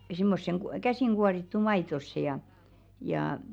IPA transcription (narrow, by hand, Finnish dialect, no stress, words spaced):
simːosːeŋ ku kæsiˑŋ ɡ̊uɑritːu mɑitosːe jɑ jɑː